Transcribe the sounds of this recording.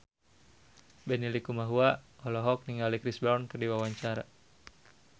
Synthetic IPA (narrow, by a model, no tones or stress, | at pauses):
bɛnilikumaɦuaɔlɔɦɔk̚niŋɡalikɾisbɾankərdiwawaɲt͡ʃaɾa